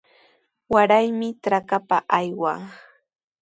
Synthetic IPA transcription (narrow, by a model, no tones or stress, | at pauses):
waɾajmɪʈ͡ʂɾakapaʔajwa̰ŋ